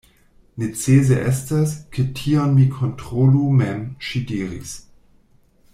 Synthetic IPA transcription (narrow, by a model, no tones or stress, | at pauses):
net͡seːzeʔɛstaskʰətʰiːɔnmikʰɔntʁ̥olumɛmʃidiːʁḭs